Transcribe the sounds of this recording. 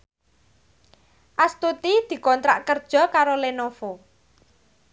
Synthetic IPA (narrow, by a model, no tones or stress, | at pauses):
ʔast̪ut̪id̪̥i̤kɔnt̪ɾa̰ʔkərd̥ʒ̥ɔ̤kaɾolenofo